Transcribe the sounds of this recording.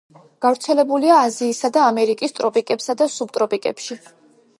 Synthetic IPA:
ɡ̥avɾt̪sʰɛlɛbuliaːziːsad̪aːmɛɾikʼist̪ʼɾɔpʼikʼɛpsad̪asub̚t̪ʼɾɔpʼikʼɛ̰pʃi

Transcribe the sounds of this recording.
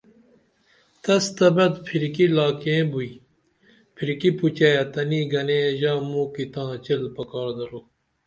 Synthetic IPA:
t̪ɐst̪ɐbɐd̪pʰiɾkilaːkẽbui | pʰiɾkiput͡ɕɐjat̪ɐniɡɐnẽːʑaːmũːkit̪ãːt͡ɕelpɐkaːɾd̪ɐɾoː

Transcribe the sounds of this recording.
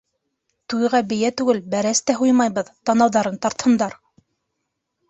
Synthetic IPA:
t̪ujʁɑbɘ̆jæt̪ʉɡɘlbæɾæst̪æɦujmɑjβɤðt̪ɑnɑwðɑɾɤnt̪ɑɾt̪hɤ̆nd̪ɑɾ

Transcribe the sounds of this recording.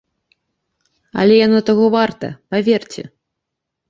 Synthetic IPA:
ɐ̰lʲɛjanɔt̪aɣɔvart̪ɐ̰pavʲɛrt͡sʲɛ̰

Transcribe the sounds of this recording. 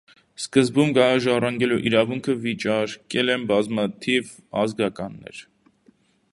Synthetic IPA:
skəzbumɡɑɑʒɑrɑŋɡɛluʔiɾɑvuŋkʰəvit͡ʃɑɾkɛlɛnbɑzmɑt̪ʰivɑzɡɑkɑnːɛ̰ɾ

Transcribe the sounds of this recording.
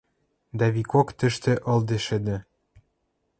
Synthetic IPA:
d̪ɑβikokt̪ɘ̆ʃt̪ĕʔɤ̆ld̪ĕʃɘ̆d̪ɘ̆

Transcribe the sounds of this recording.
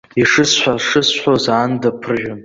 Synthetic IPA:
iʂɨsħʷᶣaʂɨsħʷozaːndapʰɨrʒʲᶣʊn

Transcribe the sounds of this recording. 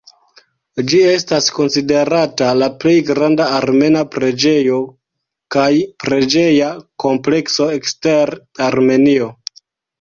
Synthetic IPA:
d͡ʒie̞stasko̞nside̞ɾatalaple̞jɡɾandaːɾme̞napɾe̞d͡ʒe̞jo̞ | kajpɾe̞d͡ʒe̞jako̞mple̞kso̞eksteɾ | aɾme̞nio̞

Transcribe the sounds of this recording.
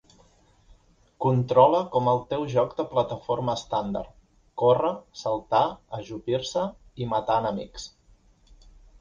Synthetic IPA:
kunt̪ɾɔləkɔməlˠt̪ɛwʒɔkd̪əplət̪əfoɾməːst̪and̪ə̰rt̪ | korəsəlˠt̪aəʒupiɾsəimət̪aːnəmḭks

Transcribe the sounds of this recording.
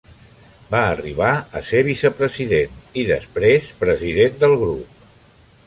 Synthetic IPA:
baəriβ̞aə̰seβ̞isəpɾəziðeniðə̰spɾespɾəziðend̪əlˠɣɾup̚

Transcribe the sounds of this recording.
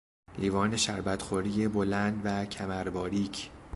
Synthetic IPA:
liːvɒːne̞ʃæɾbæt̪xoɾiːjebolænd̪væcʰæmæɾbɒːɾiːcʰ

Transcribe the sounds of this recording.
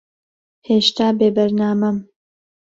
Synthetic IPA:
heːʃt̪aːbeːbɐɾnaːmɐm

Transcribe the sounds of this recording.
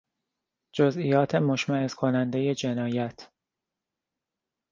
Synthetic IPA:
d͡ʒozijɒːt̪ʰemoʃmæezkʰo̞nænd̪e̞je̞d͡ʒe̞nɒːjæt̪ʰ

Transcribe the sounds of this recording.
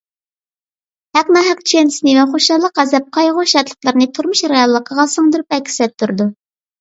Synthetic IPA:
hæknɑɦɛq̚t͡ʃʰensnɨvɛχoʃɑlˠːəqæzɛp̚qʰɑjʁoʃɑt̪lˠə̥χlˠəɾnɨt̪ʰuɾmuʃɾɑjɑlˠːəqʰəʁɑsəŋd̪ɨɾupɛkʲʰːi̥sɛt̪ʰːuɾd̪u

